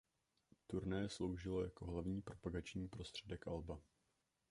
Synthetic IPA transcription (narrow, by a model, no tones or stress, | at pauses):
t̪uɾnɛːslo̞wʒɪlo̞jako̞ɦlavɲiːpɾo̞paɡat͡ʃɲiːpɾo̞st̪r̝̥ɛdɛkʔalba